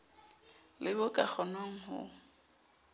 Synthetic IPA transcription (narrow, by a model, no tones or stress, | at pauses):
lɪbʊkʼak͡xʰɔnoŋ̩ɦʊ̰